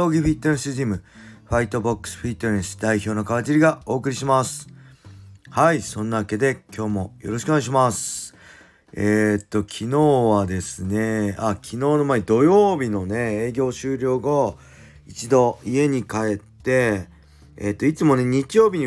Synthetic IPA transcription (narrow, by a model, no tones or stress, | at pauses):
o̞ːɡʲiɸ̟it̪ːoẽsɨʑimɯ̟ɸait̪o̞bokːɯ̟̥sɨ̥ɸit̪ːoɾẽsɨ̥d̪aiço̞ːno̞kaβat͡ɕiɾʲiɡao̞ːkɯ̟ɾʲiɕimasɨ̥ | haisõ̞nːaβake̞d̪e̞kʲʰo̞ːmo̞jo̞ɾo̞ɕi̥konɡaiɕ̬imasɨ̥ | et̪ːo̞kʲʰino̞ːβad̪e̞sɨne̞akʲʰino̞ːno̞maed̪o̞jo̞ːbʲino̞ne̞eːɡʲo̞ːɕɨːɾʲo̞ːɡo | it͡ɕid̪o̞ie̞ɲ̟ikae̞t̪ːe̞ː | t̪ːo̞it͡sɨmo̞ne̞ɲ̟it͡ɕijo̞ːbʲiɲ̟i